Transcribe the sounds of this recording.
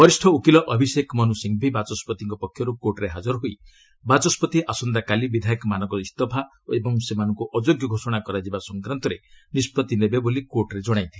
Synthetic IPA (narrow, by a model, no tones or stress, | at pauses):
bɔɾisʈʰɔukilɔʔɔbʱisekmɔnusiŋbʱibat͡ʃɔspɔt̪iŋkɔpɔkʰjɔɾukoɾʈɔɾeɦad͡ʒɔɾɦuj | bat͡ʃɔspɔt̪iʔasɔnd̪akalibid̪ʱajikmanɔŋkɔist̪ɔbʱa | oebɔŋsemanɔŋkuʔɔd͡ʒoɡjɔɡʱosɔɽ̃akɔɾad͡ʒibasɔŋkɾant̪ɔɾenispɾɔt̪inebebolikoɾʈɔɾed͡ʒɔɽ̃ajnt̪ʰi